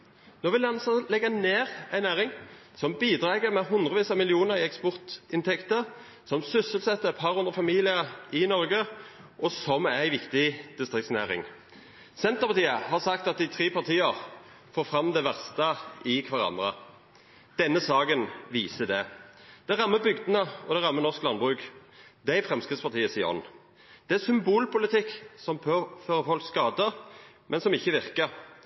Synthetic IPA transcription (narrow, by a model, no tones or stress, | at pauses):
noːʋɪlɑnsəlɛɡːneːʁæɪnæːʁɪŋ | sɔmbiːd̪ʁɑːɡəʁmɛɦʉnd̪ʁəʋiːsɑmɪlɪuːnəʁɪɛkspɔʁt̪ɪnt̪ʰɛkt̪əʁ | sɔmsʏsəlsɛt̪ːəɛt̪pʰɑʁʉnd̪ʁəfɑmiːlɪəɪnɔʁɡə | ʔɔsɔmæɪʋɪkt̪ɪd̪̥ɪst̪ʁɪktsnæ̰ːʁɪ̰ŋ | sɛnt̪əʁpɑt̪iːəhɑʁsɑkt̪ɑt̪̚d̪ɪt̪ʰʁeːpɑʁt̪ʰiːəʁ | foːʁfʁɑmd̪ɛʋæʁst̪əɪkʰʋɑʁɑ̰nd̪ʁə | d̪̥ɛnːəsɑːɡənʋiːsəd̪ɛ | d̪̥ɛʁɑmːəbʏɡd̪ənəɔd̪æʁɑmːənɔʁsklɑnbʁʉkd̪æɪfʁɛmskʁɪd̪spɑʁt̪ʰiːəsɪɔ̰n | d̪̥ɛæsʏmbuːlpʊlɪt̪ʰɪkːsɔmføːʁəɔlkskɑːd̪ə | mʔɛnsɔmɪçːəʋɪʁkəɾ